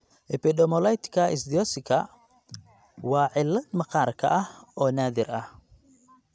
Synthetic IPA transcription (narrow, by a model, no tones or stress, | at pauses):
ʔɛpʰɪd̪ɔmɔlɛjt̪ʰkʰɐɪs̬d̪ɪɔsɪkʰɐ | wɑːʕɪlːɐd̪mɑqɑːrkʰɐ̰ʔɐhɔːnaːðɪrɐh